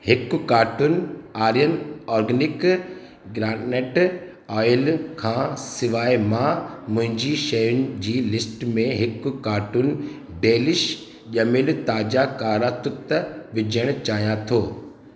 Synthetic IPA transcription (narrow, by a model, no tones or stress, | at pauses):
hɪkʊ̆kaːʈʊnaːɾijənɔːɾɡənɪk | ɡɾãːɖneːʈ | ɔːjəlkʰãːsɪʋaːimãːmʊ̃ɦɪ̃ɲd͡ʑiːʃɐjʊnɪ̆d͡ʑiːlɪsʈmẽɦɪkʊ̆kaːʈun | beːlɪʃ | ʄɐmɪlt̪aːd͡ʑakaːɾat̪ʊt̪əʋɪd͡ʑʱəɽ̃t͡ɕaːɦijãt̪ʰoː